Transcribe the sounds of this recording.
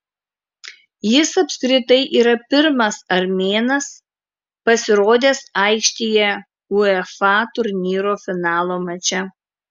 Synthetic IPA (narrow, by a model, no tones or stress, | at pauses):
jɪsɐpʲskɾʲɪt̪ɐɪʔiːɾɐpʲɪɾmɐsɐɾʲmʲeːnɐs | pɐsʲɪɾoːd̪ʲeːsɐˑɪkʃʲt̪ʲiːjɛ | ʊɛfɑːt̪ʊɾʲnʲiːɾoːfʲɪnɑːlˠoːmɐt͡ʃʲɛ